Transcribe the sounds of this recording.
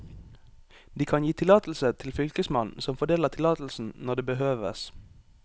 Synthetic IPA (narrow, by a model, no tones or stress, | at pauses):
d̪iːkʰɑnjiːt̪ʰɪlɑːt̪l̩sət̪ʰɪlfʏlkəsmɑnsɔmfɔɖ̪eːləʁt̪ʰɪlɑːt̪l̩sn̩nɔd̪eːbəhøːʋə̰s